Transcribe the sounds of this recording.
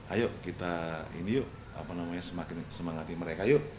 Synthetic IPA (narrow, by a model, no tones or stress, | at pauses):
a̰joʔkit̪aḭnijʊʔ | a̰panamaɲasəmakɪnsəmaŋat̪iməɾekajʊʔ